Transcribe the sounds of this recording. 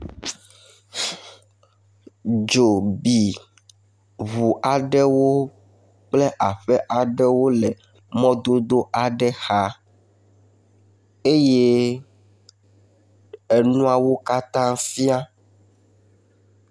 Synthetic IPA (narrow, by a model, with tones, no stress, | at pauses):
d͡ʒo˨bi˨ | βu˨ʔa˨ɖɛ˦wo˦ | k͡ple˦ʔa˨ɸɛ˦ʔa˨ɖɛ˦wo˦lɛ˨ | mɔ̃˦d̪o˦d̪o˦ʔa˨ɖɛ˦xa˦ | e˦je˦ | e˨nũ˦a˨wo˦ka˦t̪ã˦fi˦a˦